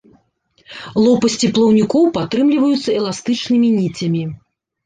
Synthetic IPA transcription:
lˠɔpɐsʲt͡sʲiplˠɐwnʲikɔwpat̪ɾɨmlʲivɐjut̪sːɐɛlˠast̪ɨt͡ʂnɨmʲinʲit͡sʲɐmʲi

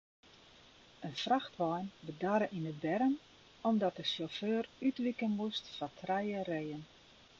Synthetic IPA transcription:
ənfraxtʋɔjnbədaɾəʔinəbɛɾən | ɔmdɔt̚dəsoføːrytʋikəlnmustfatʰrɛjərejən

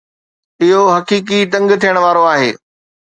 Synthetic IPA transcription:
ɪɦoɦɐkiːk̬iʈɐ̃ŋɡt̪ʰijəɽ̃ʋaːɾoaːɦeː

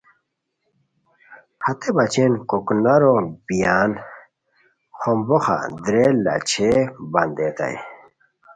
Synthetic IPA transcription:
hɐt̪ebɐt͡ɕenkoknɐɾobijan | xomboxa̰d̪ɾelːa̰t͡ɕʰebɐnd̪et̪a̰j

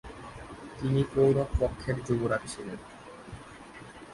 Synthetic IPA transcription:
t̪inipɾowɾokpɔkʰːeɾd͡ʑoɡoɾat̪iʃʰilen

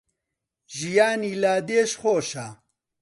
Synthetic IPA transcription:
ʒijaːniːlaːd̪eːʃχoːʃa

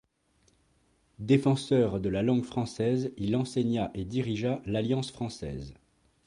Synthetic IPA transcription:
d̪efɑ̃sœʁd̪əlalɑ̃ɡfχɑ̃sɛzilɑ̃seɲaʔed̪iʁiʒalaljɑ̃sfχɑ̃sɛ̰ːz

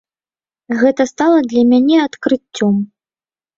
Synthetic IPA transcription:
ɣɛt̪ɐst̪alˠɐd̪lʲɐmʲanʲɛat̪kɾɨt͡st͡sʲːɔm

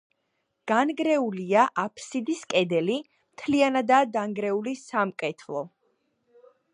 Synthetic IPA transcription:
ɡ̥anɡɾɛuliaʔapʰsid̪iskʼɛd̪ɛli | mt̪ʰlianad̪ad̪aŋɡɾɛulisamkʼɛt̪ʰlˠɔ

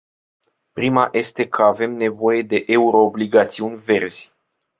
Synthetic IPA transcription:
pɾimaʔe̞st̪e̞kʰəave̞mne̞vo̞je̞d̪e̞ʔeuɾo̞ːbliɡat̪siunʲve̞rz̥ʲ

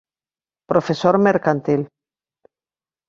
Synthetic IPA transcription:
pɾofesoɾmeɾkant̪il

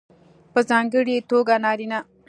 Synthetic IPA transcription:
pəzãːŋɡəɽet̪oːɡanaːɾina

